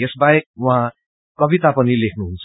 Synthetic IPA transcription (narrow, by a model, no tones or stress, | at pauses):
esbajek̚wã | kʌbit̪apʌnilekʰnuɦunt͡sʰ